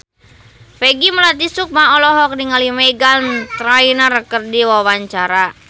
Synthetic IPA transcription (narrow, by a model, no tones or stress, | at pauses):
fɛɡiməlat̪̬isuk̚maɔlɔɦɔk̚niŋalimɛɡalnt̪ɾainarəkərdiwawaɲt͡ʃaɾa